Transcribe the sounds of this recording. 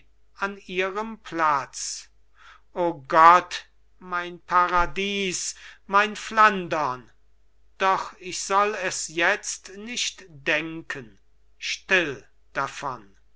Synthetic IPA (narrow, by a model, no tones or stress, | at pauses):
aniːʁəmpʰlat͡s | ʔoːɡɔt | maɪnpʰaʁadiːsmaɪnflandɐn | d̥ɔχɪçz̥ɔlɛsjɛt͡stnɪʃtd̥ɛŋkʰən | ʃtɪl | d̥afɔ̰n